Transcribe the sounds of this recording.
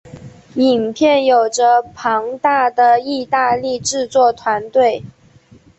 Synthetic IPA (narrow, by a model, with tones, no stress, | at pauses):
i˨˩npʰjɛ˥˩njo˨˩ʊʈ͡ʂə˦pʰɑ˧˥ŋt̪a˥˩d̪ə˩i˥˧t̪a˥˧li˥˧ʈ͡ʂɻ̩˥˧t͡swɔ˥˩t̪ʰwa˧˥nt̪we˥˩ɪ